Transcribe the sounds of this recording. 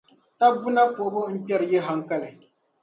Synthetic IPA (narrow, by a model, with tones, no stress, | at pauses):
ta˦bu˦na˦fo˨ʔbo˦n̩˦pɛ˦ɾɨ˨jɛ˦ɦa˦ŋka˦lɨ˨